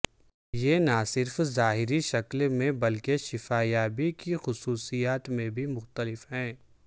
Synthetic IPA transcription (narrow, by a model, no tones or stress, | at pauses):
jenasɪɾfzaːɦɪɾiʃɐklmẽbɐlkeʃɪfaːjaːbikixʊsuːsijaːt̪mẽbʱimʊxt̪əlɪfɦɛ̃ː